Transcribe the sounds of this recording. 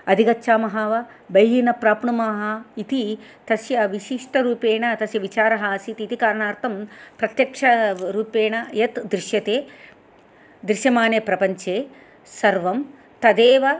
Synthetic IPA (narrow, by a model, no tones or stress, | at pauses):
ɐd̪ʱiɡɐtːʃʰaːmɐɦaʋɐ | bɐjɦinɐpɾaːpɳumɐːɦɐit̪it̪ɐsjɐʋiʃiʂʈɐɾuːpeːɳɐt̪ɐsjɐʋit͡ʃaːɾɐɦɐsit̪iːt̪ikaːɾɳaːɾt̪ʰɐmpɾɐt̪jɐkʂɐɾuːpeːɳɐjɐt̪d̪ɾɪʃjɐt̪eː | d̪ɾiʃjɐmaːnjɐpɾɐpɐɲt͡ʃeː | sɐɾʋɐm | t̪ɐd̪eːʋɐ